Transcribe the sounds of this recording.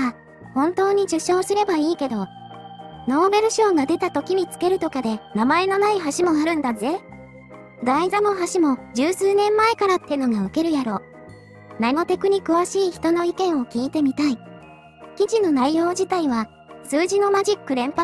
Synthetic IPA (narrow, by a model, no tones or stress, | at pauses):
a | hõ̞nt̪o̞ːɲ̟iʑɨɕo̞ːsɨɾe̞baiːke̞d̪o̞ | no̞ːbe̞ɾɯ̟ɕo̞ːɡad̪e̞t̪at̪o̞kʲim̟ʲit͡sɨ̥ke̞ɾɯ̟t̪o̞kad̪e̞namae̞no̞naiɦaɕimo̞aɾɯ̟̃nd̪aze̞ | ɡaizamo̞ɦaɕimo̞d͡ʑɨːsɨːnẽ̞mːae̞kaɾat̪ːeno̞ɡaɯke̞ɾɯ̟jaɾo̞ː | namo̞t̪e̞kɯ̟ɲ̟ikɯ̟βaɕiːçi̥t̪o̞no̞ikẽ̞ɰ̃o̞kʲiːt̪e̞mʲit̪ai | kʲid͡ʑino̞naijo̞ːd͡ʑit̪aiβa | sɨːʑino̞maʑikːɯ̟ɾẽ̞mpa